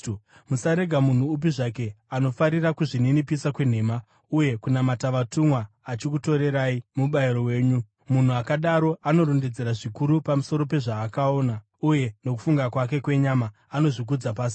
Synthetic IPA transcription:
musaɾe̞ɡʱamun̤uːp̬iʐake̞ | ano̞faɾirakuʐininipisakwe̞n̤e̞ːma | uje̞kunamataʋatumwaː | t͡ʃik̬uto̞ɾe̞ɾaimuɓaiɾo̞we̞ːɲu | mun̤uakaɗaɾo̞ʔano̞ɾonde̞d͡ze̞ɾaʐikuɾupamuso̞ɾo̞pe̞ʐaːkao̞ːna | uje̞no̞k̬u̥fuŋɡakwak̬e̞kwe̞ɲamaːno̞ʐik̬ud͡zapaːs̬i̥

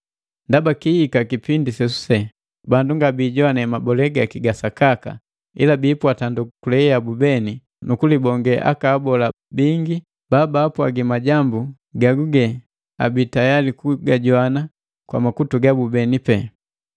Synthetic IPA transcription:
ndabakihikakipindisɛsu̥sɛ | banduŋɡabiːɟɔanɛmabɔlɛɡakiɡasakaka̰ | ḭlabiːpwatandukulɛabubɛni | nukulibɔŋɡɛʔa̰kaːbɔla | biŋɡi | baːbaːpwaɡimaɟambu | ɡaɡuɡɛ | a̰bitajalikuɡaɟwana | kwa̰makutuɡabubɛnipɛ

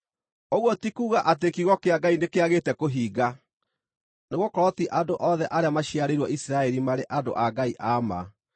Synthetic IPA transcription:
oɣwɔtikuːɣaʔat̬ekiɣɔkeaɡainekeaɣetɛkoɦiːɡa | neɣokɔɾɔtiʔadoʔɔðɛʔaɾeamaɕiaɾeɾwɔisɾaɛɾimaɾeʔado̰ʔaɡaiʔama̰

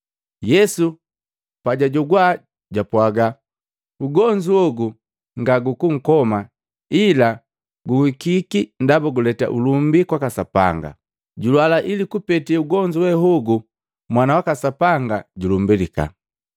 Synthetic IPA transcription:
jɛsu | paɟaɟɔɡwa | ɟapwaɡa | uɡɔɲd͡ʒuɔɡu | ŋɡaɡukuŋ̩kɔma | ila | ɡuhikikindabuɡulɛta̰ʔulumbikwakasapa̰ŋɡa̰ | ɟulwalaʔilikupɛtiuɡɔɲd͡ʒuwɛɦɔɡu | mwanawakasapaŋɡaɟulumbilika̰

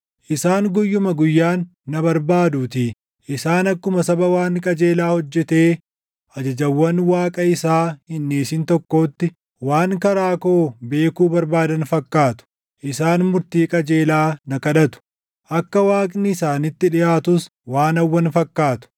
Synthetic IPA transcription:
ʔɪsaːŋɡɔjːʊmɐɡʊjːaːnːɐbɐɾbaːd̪uːt̪i | ʔɪsaːnɐkːʊmɐsɐbɐwaːŋkʼɐd͡ʒe̞ːlaːhɔd͡ʒːɛt̪e̞ː | ʔɐd͡ʒɐd͡ʒɐwːɐnwaːkʼɐɪsaːhɪnːeːsɪnt̪ɔkːo̞ːt̪ːɪ | waːŋkɐɾaːko̞ːbe̞ːkuːbɐɾbaːd̪ɐnfɐkːaːt̪ʊ̥ | ʔɪsaːnmʊɾt̪iːkʼɐd͡ʒe̞ːlaːnɐkɐᶑɐt̪ʊ̥ | ʔɐkːɐwaːkʼnɪːsaːnɪt̪ːɪᶑɪjaːt̪ʊs | waːnɐwːɐnfɐkːaːt̪ʊ̥

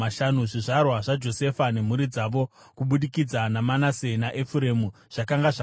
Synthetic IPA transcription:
aʃanuʐiʐarwaʐad͡ʒo̞se̞fane̞m̤uɾid͡zaʋo̞ | kuɓuɗikid͡zanamanase̞naʔefuɾe̞mu | ʐ̥akaŋɡaʐa

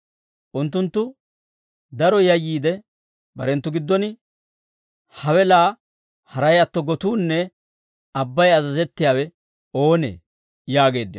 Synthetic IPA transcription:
ʔʊnt̪ːʊnt̪ːʊ | d̪ɐɾɔjɐjːiːd̪ɛ | bɐ̰ɾɛnt̪ːʊɡɪd̪ːɔn | hɐwɛlaː | hɐɾɐjɐt̪ːɔɡɔt̪uːnːɛ | ɐbːɐjɐzɐzɛt̪ːɪjaːwɛ | o̞ːnḛː | jaːɡe̞ːd̪ːɪ

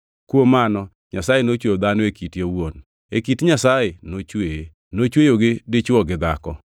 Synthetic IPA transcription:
kwomanɔ | ɲasajenot͡ʃwod̪anoekitjowon | ekitɲasajenot͡ʃwe | not͡ʃwejoɡɪdɪt͡ʃwɔɡɪd̪akɔ

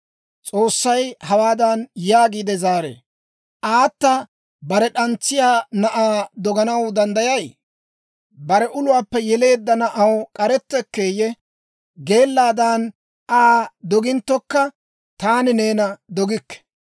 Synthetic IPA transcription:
t͡sʼo̞ːsːɐjhɐwaːd̪ɐnjaːɡiːd̪ɛzaːɾḛː | ʔaːt̪ːɐ | bɐɾɛɗɐnt͡sːɪjaːnɐʔaːd̪ɔɡɐnɐwd̪ɐnd̪ɐjɐj | bɐɾɛʔʊlʊwaːpːɛjɛle̞ːd̪ːɐnɐʔɐwkʼɐɾɛt̪ːɛkːe̞ːjɛ | ɡe̞ːlːaːd̪aːn | ʔaːd̪ɔɡɪnt̪ːɔkːɐ | t̪aːnɪne̞ːnɐd̪ɔɡɪkːɛ̥

